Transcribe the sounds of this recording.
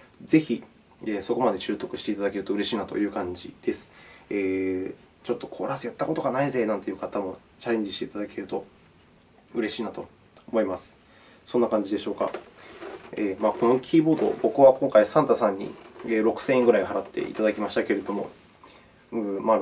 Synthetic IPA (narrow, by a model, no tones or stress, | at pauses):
ze̞çi | eːso̞ko̞mad̪e̞ɕɨːt̪o̞kɯ̟̥ɕi̥t̪e̞it̪ad̪ake̞ɾɯ̟t̪oɯ̟ɾe̞ɕiːnat̪o̞̰jɯ̟ːkãɲ̟d͡ʑḭd̪̥e̞sɨ̥eː | t͡ɕo̞t̪ːo̞kʰo̞ɾasɨjat̪ːako̞t̪o̞ɡanaize̞ːnãnt̪ejɯ̟kat̪amo̞ | t͡ɕaɾẽ̞ɲ̟d͡ʑiɕi̥t̪e̞it̪ad̪ake̞ɾɯ̟t̪o̞ | ɯ̟ɾe̞ɕiːnat̪o̞ː | mo̞imasɨ̥ | sõ̞nːakãɲ̟d͡ʑid̪e̞ɕo̞ːka̰ | eːmaːko̞no̞kʲʰiːbo̞ːd̪o̞̰bo̞kɯ̟βakõ̞ŋkaisãnt̪asãɲ̟ːḭeːɾo̞kɯ̟̥sẽ̞ẽŋɡɯ̟ɾaihaɾat̪ʰːe̞̰ʔḭt̪ad̪akʲimaɕi̥t̪ake̞ɾe̞d̪o̞mo̞̰ | ɯ̟ma